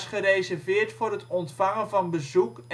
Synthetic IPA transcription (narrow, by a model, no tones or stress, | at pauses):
sχərejzɛɹvɪːɹtfʊːrɦətɔntfɑŋənvɑnbəzuk